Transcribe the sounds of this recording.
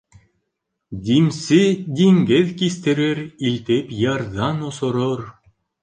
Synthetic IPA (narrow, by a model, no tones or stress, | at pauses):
d̪ʲimsʲid̪ʲiŋʲɡeðkʲist̪eɾeɾilʲt̪epʲjɑrd̪ɑnosŏɾor